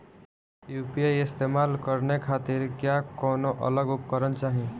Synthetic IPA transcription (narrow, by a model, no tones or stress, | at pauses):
juːpiajɪst̪emalkəɾnekʰaːt̪ɪɾkjakɔːnoʔʌ̰ləɡʊpkəɾənt͡ʃaːɦĩ